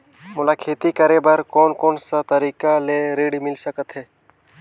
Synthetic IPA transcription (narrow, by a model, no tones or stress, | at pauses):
mʊlaːkʰeːt̪ikəɾebəɾkɔːnkɔːnsat̪əɾiːkaleːɾeːɽimɪlsəkət̪ɦɛː